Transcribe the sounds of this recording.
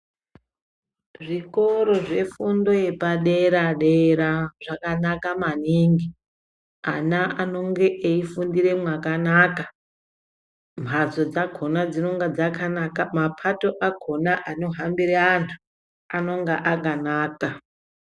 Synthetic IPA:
ʐiko̞ɾo̞ʐe̞fundo̞je̞paɗeɾaɗeɾaʐakanakamaniːŋɡi | anaano̞ŋɡe̞ʔeifundire̞mwakanaːka | m̤ʱazo̞d͡zaɡʱo̞nad͡zino̞ŋɡad͡zakanakamapʰato̞ʔaɡʱo̞naʔano̞ɦambiɾeantʰu̥ | ano̞ŋɡeʔakanaːka

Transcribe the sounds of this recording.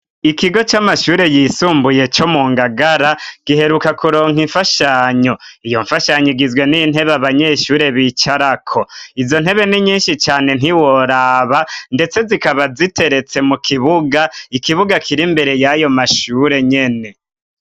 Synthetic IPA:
ikiɡo̞t͡ʃamaʃuːɾe̞jisuːmbuje̞t͡ʃo̞muːŋɡaɡaɾaɡ̥iɦe̞ɾukakuɾo̞ːŋiɱfaʃaːɲo̞ijo̞ɱfaʃaɲoɡizɡwe̞nin̥he̞βaβaɲe̞ːʃuːɾe̞βit͡ʃaɾakʰoizo̞nheβe̞niɲiːnʃit͡ʃaːne̞n̥iwoɾaːβande̞t͡se̞zikaβazitʰe̞ɾe̞t͡se̞mukʰiβuɡaikiβuɡakʰiɾimbe̞ɾe̞jajo̞maʃuːɾe̞ɲe̞ne̞

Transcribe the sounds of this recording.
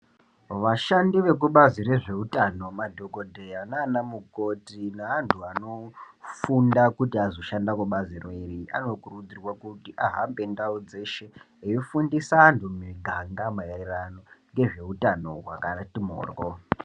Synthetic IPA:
ʋaʃandiʋe̞k̬uɓazire̞ʐe̞utano̞madʱo̞kodʱe̞janaːnamuko̞tinaantʰuano̞ | fundakutiazo̞ʃandakuɓazireiriʔa̰no̞kurud͡zirwakutiʔaɦambe̞ndaud͡ze̞ʃe̞ | ejifundisaːntumiɡʱaŋɡamaarirano̞ŋɡe̞ʐe̞utano̞ɦwa̰kanatimo̰ːrɡo

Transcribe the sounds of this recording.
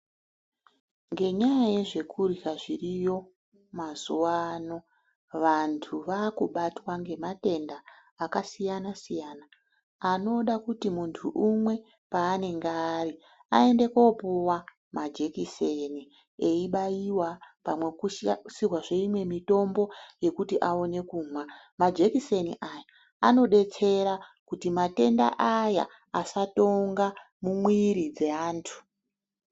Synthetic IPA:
ŋɡe̞ɲajaje̞ʐe̞kʰurikaʐirijo̞ | mazuwano̞ | ʋantʰuʋakuɓatwaŋɡe̞mate̞ndaː | kasijanasijanaː | no̞ɗakutimuntʰuʔːmwe̞ | paːne̞ŋɡaːri | a̰e̞nde̞ko̞puwa | mad͡ʒe̞kiseni | eiɓajiwapamwe̞kusirwaʐe̞imwe̞mito̞mbo̞je̞kutiʔao̞ne̞kuːma | mad͡ʒe̞kise̞nḭʔaja | ano̞ɗe̞t͡se̞ɾakutimate̞nda̰ʔaja̰ | asato̞ŋɡa | mumwiɾid͡ze̞aːntʰu̥

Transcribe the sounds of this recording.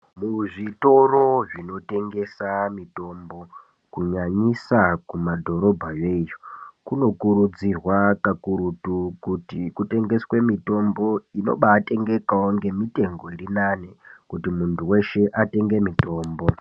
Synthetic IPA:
muʐito̞ro̞ʐino̞te̞ŋɡe̞samito̞mbo̞ | kuɲaɲisakumadʱo̞ɾo̞bʱajejokuno̞kuɾud͡zirwakakuɾutukutikute̞ŋɡe̞swe̞mito̞mbo̞ino̰ɓaːte̞ŋɡe̞kaoŋɡe̞mite̞ŋɡo̞iɾinanekutimuntʰuwe̞ʃe̞ʔate̞ŋɡe̞mito̞ːmbo̞

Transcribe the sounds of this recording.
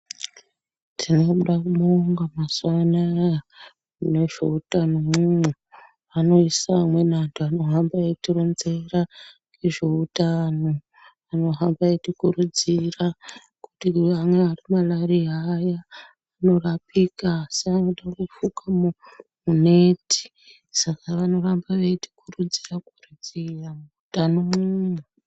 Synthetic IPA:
tʰino̞ɗakumoŋɡamaswanaja | uneʐeutano̞mumu | ano̞isaːmwe̞nantʰuano̞ɦambaetironze̞raŋɡeʐeutano | ano̞ɦambaetikuɾud͡zira | ku̥tiamwe̞arimalaɾiajaː | no̞rapikaseanoɗakufukamumune̞ti̥ | sakaʋano̞rambaʋeti̥kurud͡zirakurud͡ziramuutanomumwe

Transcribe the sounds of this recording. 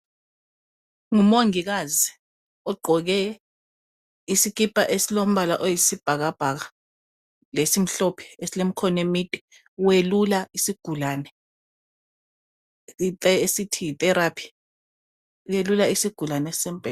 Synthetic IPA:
ŋumoŋik̬azi | ɔɡ͡ǃʱɔk̬ɛ | isik̬ipʼaʔesilom̩ɓalaʔojisib̥ʱak̬ab̥ʱak̬a | lesim̩ɬɔpʰɛ̥esilem̩kʰɔnemitʼi̥ | welulaisiɡ̥ʱulaːnɛ | itɛesitʰijitʼɛɾapʰi̥ | uwelulaisiɡ̥ʱulanɛssɛm̩b̥ʱɛ

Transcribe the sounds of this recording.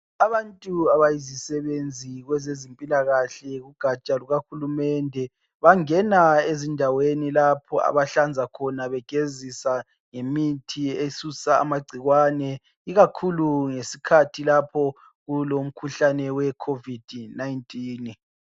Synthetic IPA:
aβantʼuaβajizisɛβend͡zʱiɣwɛzezimpʼilaɣaɬɛɣuɡ̥ʱat͡ʃʼaluɣaxulumɛndʱɛ | βaŋɛnaezindʱawenilapʰɔa̰βaɬand͡zʱakʰɔnaβɛɡ̥ʱezisa | ŋemitʰiesusa̰ːmaɡ͡ǀʱiɣwanɛ | iɣakʰuluŋesi̥kʰatʰilapʰɔ | ɣulom̩kʰuɬanɛwɛkʰovid̥ʱnajintʼiːn

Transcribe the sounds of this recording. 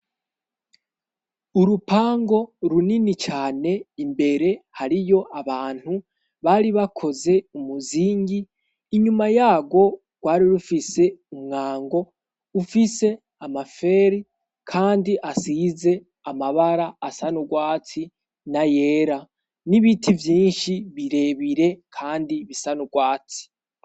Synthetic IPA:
uɾupaːŋɡo̞ɾuninit͡ʃaːne̞imbe̞ɾe̞haɾijo̞ʔaβaːn̥hu | βaɾiβakʰo̞ze̞umuziːŋɡiː | ɲumajaːɡwo̞ | ɡ̥waːɾiɾufise̞umŋaːŋɡo̞ | ufise̞ | amafe̞ːɾi | kʰaːndiʔasize̞ | amaβaɾaːsanuɡwaːti | naje̞ːɾa | niβitʰivjiːnʃiβiɾe̞βiɾe̞kʰaːndiβisanuɡwaːt͡si̥

